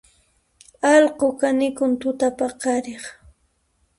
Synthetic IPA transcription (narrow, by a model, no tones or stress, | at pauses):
ɑlqokanɪkʊnt̪ʊt̪apaqɑɾeχ